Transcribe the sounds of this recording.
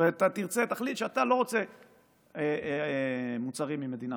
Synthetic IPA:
eat̪at̪iʁt͡set̪aχlit̪ʃeat̪alo̞ʁo̞t͡se̞ | e | mut͡saʁimːimed̪ina

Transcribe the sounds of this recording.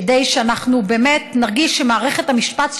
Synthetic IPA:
dejʃeanaχnubeːme̞t̪naʁɡiʃːemaːʁeχe̞thamiʃpat̪

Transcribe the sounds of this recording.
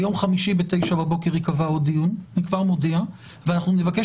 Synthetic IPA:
jo̞mχamiʃibete̞jʃababo̞ke̞ʁikavaod̪ijunnikvaʁmo̞dea | veanaχnunevake

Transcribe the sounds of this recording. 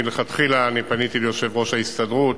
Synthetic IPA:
leχat̪χilaːnipanit̪iljoʃe̞vʁo̞ʃhaist̪adʁut

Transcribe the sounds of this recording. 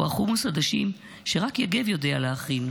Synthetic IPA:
aχumusad̪aʃim | ʃe̞ʁakjaɡevjo̞dealeaχin

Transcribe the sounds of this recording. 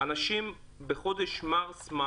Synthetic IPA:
anaʃim | beχo̞d̪eʃmaʁsma

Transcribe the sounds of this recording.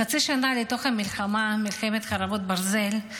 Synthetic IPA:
at͡siʃanaleto̞χhamilχamamilxemet̪χaɾavot̪̚baɾze̞l

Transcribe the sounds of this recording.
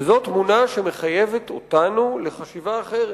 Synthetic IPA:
zo̞t̪munaʃe̞me̞χaje̞vet̪otanule̞χaʃivaːχeʁe

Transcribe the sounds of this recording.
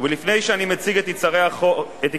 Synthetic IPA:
velifnejʃeanimet͡siɡet̪it͡saʁeaχoet̪

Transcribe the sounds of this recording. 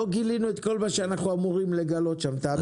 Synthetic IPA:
oɡilinuet̪ko̞lmaʃeanaχuamuʁimle̞ɡalo̞t̪ʃamt̪aː

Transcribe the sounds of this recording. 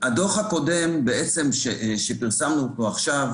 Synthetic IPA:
ad̪o̞χako̞de̞mbeet͡se̞mʃeʃe̞piʁsamnuːto̞aχʃav

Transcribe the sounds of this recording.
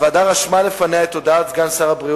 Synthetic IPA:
vad̪aʁaʃmalefaneaet̪ːod̪at̪ɡansaʁabʁi

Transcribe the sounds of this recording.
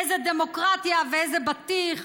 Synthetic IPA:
ejzed̪emo̞kʁat̪javeejzebat̪iχ

